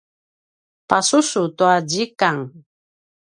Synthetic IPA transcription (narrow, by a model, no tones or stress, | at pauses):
pasusutuad͡ʑikaŋ